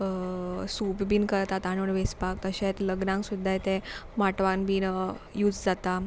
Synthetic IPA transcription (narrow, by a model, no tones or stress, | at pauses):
supbiːnkəɾt̪at̪aɽ̃uɳʋespakt̪əɕẽt̪ləɡnãŋksud̪ʱːajt̪ẽmaʈʋãnbiːnjuːd͡zd͡zat̪a